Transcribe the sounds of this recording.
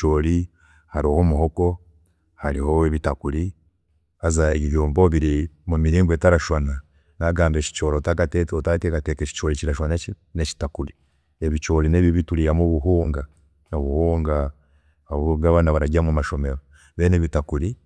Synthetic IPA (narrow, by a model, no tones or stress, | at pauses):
t͡ʃoːli | haɾohomuhoko | haɾiho̞eβitakuɾi | azaeɟijoːmboβiɾimumiɾiːŋɡweːtaɾaʃwana | naɡaːmbeʃi̥t͡ʃoːɾotakateotakekateket͡ʃi̥t͡ʃoɾiciɾaʃwane | neci̥takuɾi | eβit͡ʃoːlineβiβituɾiamoβuɦuːŋɡa | noβuhuːŋɡa | oβɡaβanaβaɾaɟamumaʃo̞meɾo | βeːneβitakuɾi